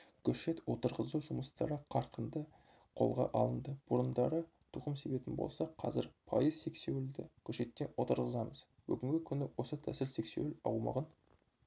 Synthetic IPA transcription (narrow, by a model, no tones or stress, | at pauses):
kʲʰɵʃe̞t̪wo̞t̪əɾʁəzuʒʊməst̪ɑɾəqʰɑɾqənd̪ə | qʰo̞̰lˠʁɑ̰ʔɑlˠənd̪əb̥ʊɾənd̪ɑɾə | t̪ʰuqəmse̞be̞t̪ɪnbo̞̰lˠsɑqʰɑ̰zɪɾpʰɑ̰jəz̥se̞kse̞wɪld̪ɪkʲʰɵʃe̞t̪ːe̞nwot̪əɾʁəzɑməz | bʏɡʲɪŋɡʲɪkʲʰʏnɪwo̞sət̪ʰæsɪlse̞kse̞̰wɪlɑ̰wmɑ̰ʁən